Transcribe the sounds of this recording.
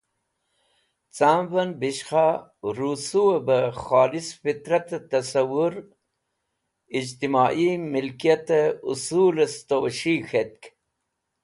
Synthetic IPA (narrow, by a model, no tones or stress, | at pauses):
t͡samvɐnbiʃxaɾusuwɐbəxaːlisfit̪ɾɐt̪t̪ɐsɐwuɾ | id͡ʑt̪imaːʔimilkijɐt̪əṵsuːlɐst̪owɐʃixet̪̚k